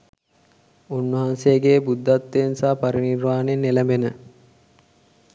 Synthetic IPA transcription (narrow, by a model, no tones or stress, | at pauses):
unːəɦansejəɡeːbud̪ːat̪ːensaːpɐɾinirʋaːnenːelæmbenə